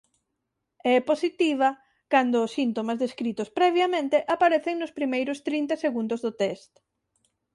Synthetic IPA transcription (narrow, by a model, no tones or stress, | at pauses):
ɛposit̪iβ̞ɐ | kand̪ʊːsːint̪omazðeskɾit̪ʊspɾɛβjamẽnt̪eʔapaɾeθeŋnʊspɾimejɾʊst̪ɾint̪aseɣũnd̪ʊzðʊt̪ɛst̪